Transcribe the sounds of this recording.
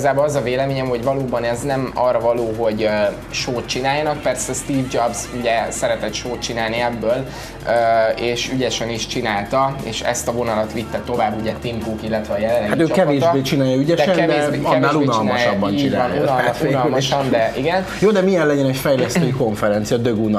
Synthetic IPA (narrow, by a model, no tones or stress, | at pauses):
iizaːboːlɒzɒveːlɛmeːɲɛmho̞ɟvɒloːbɒnɛznɛmɒrːɒvɒloːɦo̞ɟø | ʃoːt̪̚t͡ʃinaːljɒnɒk̚pɛrsɛst̪iːvd͡ʒɒbzuɟɛsɛɾɛt̪ɛt̪ʃoːt̪t͡ʃinaːlniɛbːøːl | øːeːʃyɟɛʃɛniʃt͡ʃinaːlt̪ɒḛːʃɛ̰st̪ɒvo̞nɒlɒt̪ʋit̪ːɛt̪o̞vaːbːuɟɛt̪imkoːkilːɛt̪ʋɛɒjɛlɛlːɛɡatt̪øːkɛveːʒbeːt͡ʃinaːjɒyɟɛʃɛnvd̪eɛɒɛnːaːlunɒlmnɒjʃɒbːɒnt͡ʃːinanjunnlmɒʃɒnd̪ɛʔiɡɛn | joːd̪ɛmijɛlɛɟɛnɛcfɛjlɛstt̪øːiko̞ɱfɛɾɛnt̪sijɒd̪øɡun